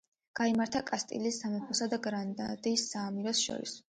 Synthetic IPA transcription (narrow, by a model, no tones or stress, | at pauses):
ɡ̥aimaɾt̪ʰakʼast̪ʼḭlisːamɛpʰɔsad̪aɡɾand̪a̰d̪isːaːmiɾɔsʃɔ̰ɾḭs